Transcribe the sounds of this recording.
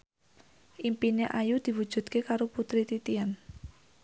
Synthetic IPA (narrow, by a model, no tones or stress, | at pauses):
ʔimpineʔajud̪̥i̤wud̥ʒ̥ṳd̪̥̚kekaɾoput̪ɾit̪it̪ian